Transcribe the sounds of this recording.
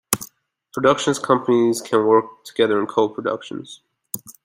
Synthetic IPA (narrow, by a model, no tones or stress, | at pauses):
pʰɹ̥ɨdʌkʃɨ̃n̩z̥kʰʌ̃mpəniz̥kʰɨ̃nwɜ˞k̚tʰəɡ̥ɛðə˞ɨ̃nkʰoʊl̚ˠpʰɹ̥ədʌ̰kʃn̩z̥